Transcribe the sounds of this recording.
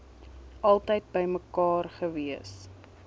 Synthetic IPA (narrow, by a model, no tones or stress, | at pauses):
ʔɐlˠtəjt̚bəjməkɑːrχəviəs